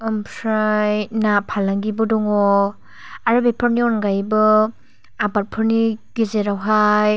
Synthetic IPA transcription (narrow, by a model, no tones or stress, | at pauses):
ɔmpʰɾajnapʰalaŋɡibɯdɔŋɔ | aɾabepʰɯɾniɔnɡajbɯ | abaɾ̚pʰɯɾniɡ̥ezeɾawɦaj